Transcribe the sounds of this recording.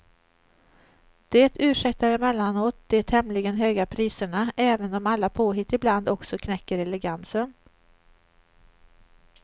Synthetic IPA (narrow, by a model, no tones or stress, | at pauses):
d̪̥eːt̪ʰʉ̟ːʂɛkt̪aɾɛmɛlːanoːt̪̚d̪̥eːt̪hɛmlɪɡənɦøːɡapʰɾiːsəɳaʔɛːvənɔmalːapʰoːɦɪt̪ːɪbland̪ɔksɔkʰnɛkːəɾɛlɛɡansən